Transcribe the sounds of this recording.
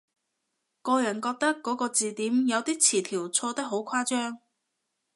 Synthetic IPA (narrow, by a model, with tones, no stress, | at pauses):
kɔː˧jɐ˨˩nkɔː˧k̚t̪ɐ˥kːɔː˨˥kɔː˧t͡siː˨t̪iː˨˥mjɐ˨˧wt̪iː˥t͡sʰiː˨˩t̪ʰiː˨˩wt͡sʰɔː˧t̪ɐ˥k̚ɦo˨˥wkʷʰwaː˥t͡ʃœː˥ŋ